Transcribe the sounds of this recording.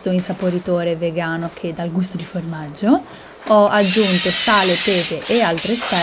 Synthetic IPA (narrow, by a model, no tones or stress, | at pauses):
t̪oinsapoɾit̪oːɾeveɡaːnokʰed̪alɡust̪od̪iformad͡ʒːo | ɔad͡ʒːunt̪osaːlet̪eːd̪eʔːalt̪ɾespɛ